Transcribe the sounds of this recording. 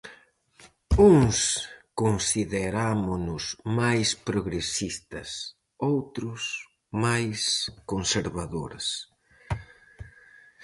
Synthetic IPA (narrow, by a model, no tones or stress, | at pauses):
uŋskonsiðeɾamʊnʊsmajspɾoɣɾesist̪ɐ̰s | owt̪ɾʊs | majskonseɾβaðo̰ɾs